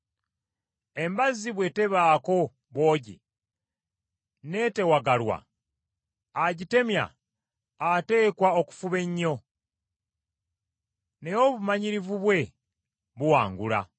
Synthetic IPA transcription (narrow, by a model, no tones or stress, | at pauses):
e̞mbaziβwe̞te̞βaːko̞ | βo̞ːɟḭ | ne̞ːte̞waɡalwa̰ | aɟite̞mja̰ | ate̞ːkwao̞ku̥fuβe̞ɲːo̞ | ne̞jo̞βumaɲiɾivuβwe̞ | βuwaːŋɡula̰